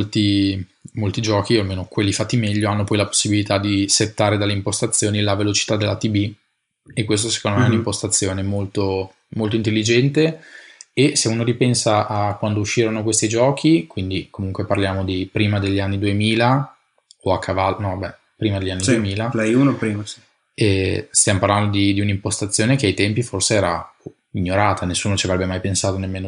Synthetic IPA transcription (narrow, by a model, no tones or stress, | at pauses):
molt̪i | molt̪id͡ʒɔːkialmeːnokwelːifat̪ːimɛʎːoanːopɔjlapo̥sːibilit̪ad̪iset̪ːaːɾed̪alːeimpost̪at̪sːjoːnilavelot͡ʃi̥t̪ad̪elʔat̪ibi | ekːwest̪oɛse̥kond̪omeɛunimpost̪at̪sːjoːnemolt̪o | molt̪oint̪̬elːid͡ʒɛnt̪e | eseuːnoɾipɛnsaʔakwand̪ouʃːiːɾonokwest̪id͡ʒɔːk̟ʰikwind̪ikomuŋkʷweparljaːmod̪ipɾiːmad̪eʎːianːid̪uemiːla | oakʰːavalnɔ̃vabɛ | pɾiːmad̪elʎːanːid̪uemiːlalajunopɾiːmasi̥ | ɛst̪jamoparland̪od̪id̪iunimpost̪at̪sːjoːnekeajt̪ɛmpiforseɛːɾa̰ | iɲːoɾaːt̪anesːuːnot͡ʃiavɾɛbːemajpensaːt̪onemːeːno